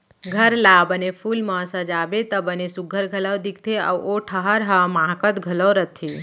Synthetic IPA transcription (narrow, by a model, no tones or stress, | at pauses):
ɡʱəɾlabənepʰulmə̃səd͡ʒaːbet̪əbənesuɡʱːəɾɡʱələwd̪ik̚ʰt̪ʰea̰ʋoʈʰəɦəɾɦəmãkət̪ɡʱələwɾət̪ʰːi